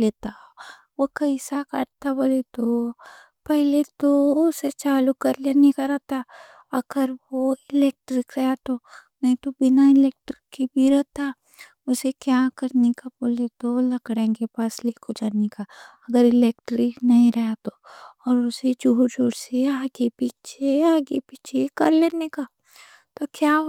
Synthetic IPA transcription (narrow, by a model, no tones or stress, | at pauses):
leːt̪a | ʋokɐɪsakɐ̰ɾt̪aboːlet̪o | pɛɦlet̪oʊset͡ʃaːlukɐɾlenekaɾat̪a | ɐɡ̥əɾʋoɪleːk̚ʈɾɪkɾɐɦat̪onɐɦĩt̪obɪnaɪleːk̚ʈɾɪkːibʱiɾɐɦt̪a | ʊsekjaːkɐɾnekaboːlet̪olɐkɽẽkepaːsleːkʰod͡ʒanekaɐɡəɾɪleːkʈɾɪknɐɦĩɾɐɦat̪oɔːɾʊsed͡ʒuːɾd͡ʒuːɾseaːɡepiːt͡ʃʰeaːɡepiːt͡ʃʰekɐɾleːneka | t̪okjaː